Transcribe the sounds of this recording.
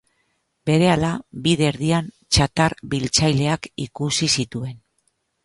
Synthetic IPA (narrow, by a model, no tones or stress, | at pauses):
be̞ɾe̞alabiðe̞ɾðian | t͡ʃat̪aɾbilt͡sajle̞akikusisit̪ue̞n